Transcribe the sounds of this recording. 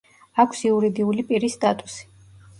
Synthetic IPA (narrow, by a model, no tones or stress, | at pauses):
akʷʰsiuɾid̪iulipʼiɾist̪ʼat̪ʼu̥si̥